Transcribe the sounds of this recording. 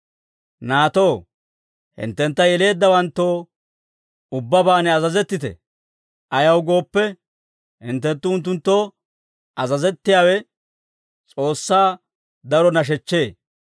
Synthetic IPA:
naːt̪o̞ː | hɪ̰nt̪ːɛnt̪ːɐjɛle̞ːd̪ːɐwɐnt̪ːo̞ː | ʊbːɐbaːnɛɐzɐzɛt̪ːɪt̪ɛ̰ | ʔɐjɐwɡo̞ːpːɛ | hɪ̰nt̪ːɛnt̪ːʊʊnt̪̬ːʊnt̪ːo̞ː | ʔɐzɐzɛt̪ːɪjaːwɛ | t͡sʼo̞ːsːaː | d̪ɐɾɔnɐʃ̬ɛt͡ʃːe̞ː

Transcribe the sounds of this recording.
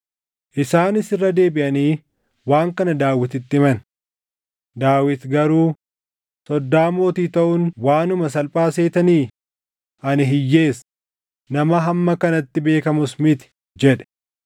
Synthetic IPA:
ʔɪsaːnɪsɪrːɐd̪e̞ːbɪʔɐniː | waːŋkɐnɐd̪aːwɪt̪ɪt̪ːɪmɐn | d̪aːwɪt̪ɡɐɾuː | sɔd̪ːaːmo̞ːt̪iːt̪ɐʔʊnwaːnʊmɐs̬ɐlpʼaːse̞ːt̪ɐniː | ʔɐnɪɦɪjːe̞ːs | nɐmɐɦɐmːɐkɐnɐt̪ːɪbe̞ːkɐmʊsmɪt̪ɪ̥ | d͡ʒɛᶑɛ̥

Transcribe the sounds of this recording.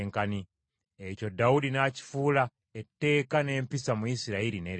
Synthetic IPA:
ŋkani | eco̞daudinaːci̥fuːla | etːe̞ːkane̞ːmpisamuisiɾaiɾineɾ

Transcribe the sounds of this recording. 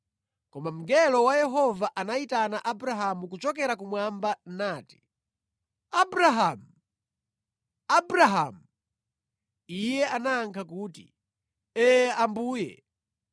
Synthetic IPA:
kɔmam̩ɡɛlɔwajɛɦɔvaʔanaitanaʔabɾaɦamukut͡ʃɔkɛɾakumwambanaːti̥ | abɾaɦamu | abɾaɦamu | ijɛʔanaːŋkʰakuːtḭ | ɛambuːjɛ̰

